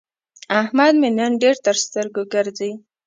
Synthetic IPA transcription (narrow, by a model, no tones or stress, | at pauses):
ahmad̪menjɑnɖeɾt̪əɾst̪əɾɡoɡəɾzəj